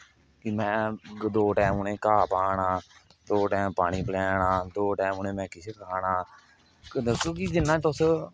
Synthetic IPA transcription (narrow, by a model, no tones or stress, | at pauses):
kimɛ̃ːd̪oːʈɛːmuːnẽːkaːpaːɳaː | d̪oːʈɛːmpaːɽ̃iːpəlɛːnãːd̪oːʈɛːmuːnẽːmɛ̃ːkɪt͡ʃʰekəaːɳaː | d̪əsoːkid͡ʒɪnːãːt̪ʊs